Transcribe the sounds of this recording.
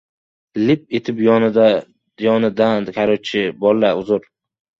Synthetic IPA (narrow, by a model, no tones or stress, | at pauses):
lɪp̚et̪ʰɪpjɒnɪd̪a | jɒnɪd̪ankʲʰaɾot͡ʃʰɪbɒlːaʊzʊɾ